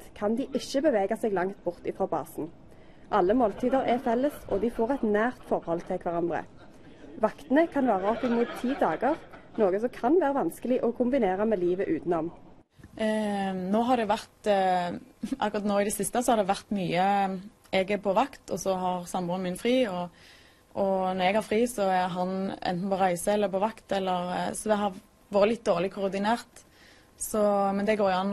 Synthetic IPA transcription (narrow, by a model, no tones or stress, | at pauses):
t̪kʰɑnd̪iːʔɪçəbəʋeːɡɑsɛːɡlɑŋt̪bʊʁt̪ɪfʁɑːbɑ̰ːsn̩ | ʔɑlːəmoːlt̪ʰiːd̪əʁɛfɛlːəsʔɔ̰d̪ɪfoːʁɛt̪næːʁt̪fɔʁhɔlt̪ʰɪlkʰʋæʁɑnd̪ʁə̰ | ʋɑkt̪ənəkʰɑnʋæːʁəɔpɪmuːt̪ʰːiːd̪ɑːɡəʁnoːɡəsɔkʰɑnʋæːʁəʋɑnskəlɪʔɔkʰʊmbɪneːʁɑmeːliːʋəʔʉːt̪n̩ɔmn | noːɦɑd̪ɛʋæʁt̪ | ʔɑ̰kːɾʊʁɑt̪noːɪd̪ɛsɪst̪əsɔhɑɾd̪ɛʋæʁt̪myːə | ɛɡɛpʰɔʋɑkt̪ʰɔsɔɦɑʁsɑmbɔːnəmɪnfʁiːɔ | ʔɔnɔɾɛɡhɑɾfʁiːsɔæɾɦɑnɛ̰nt̪n̩pʰɔʁæɪsəɛlːəɾpɔʋɑkt̪ɛlːəʁsɔd̪ɛɦɑ | ʋoːɾəlɪt̪̚ːd̪oːʁlɪkʰʊʁd̪ɪneːʁt̪ | sɔmɛnd̪ɛɡoːɾjʊɑn